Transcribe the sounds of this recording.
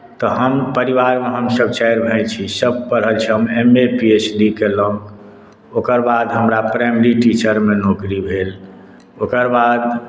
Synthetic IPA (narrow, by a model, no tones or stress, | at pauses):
t̪ɔɦəmpəɾiβaɾmeɦəmsəb̚t͡ʃɛjɾbʱət͡ʃʰisəb̚pəɽ̤ɦəlt͡ʃʰiɦəmemepiesɖikeləŋɡ | okəɾbad̪ɦəmɾapɾɛjmɾiʈit͡ʃəɾmenokɾibʱel | okəɾbad̪